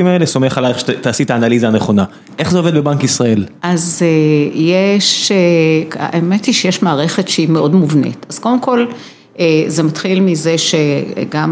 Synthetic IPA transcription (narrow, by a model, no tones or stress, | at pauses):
imaeleso̞meχalaeχʃt̪aːsit̪aːnalizaːneχo̞na | ʔe̞χzeoved̪̚bebaŋkisʁae̞lʔazejeʃ | ʔemetiʃejeʃmaːʁe̞χe̞tʃeimeo̞dmuvnḛtaz̥kovemko̞l | eze̞mat̪χilmize̞ʃeɡam